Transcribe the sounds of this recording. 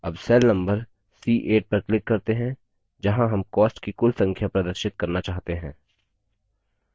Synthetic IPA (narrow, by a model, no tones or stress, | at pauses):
ɐbsɛlnɐ̃mbəɾ | siːʔeːʈ̚pɐɾklɪkːɐɾt̪eɦɛ̃ | d͡ʒɐɦãɦɐmkɔːsʈkikʊlsɐ̃ŋkʰjapɾɐd̪əɾʃɪt̪̚kɐɾnat͡ʃaːɦt̪eɦɛ̃ː